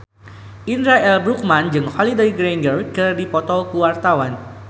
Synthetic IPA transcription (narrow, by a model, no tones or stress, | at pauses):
ʔinɾaɛlbɾuk̚mand͡ʒɨŋhɔlidejɡɾɛŋɡərkɨrdipɔt̪ɔkuwart̪awan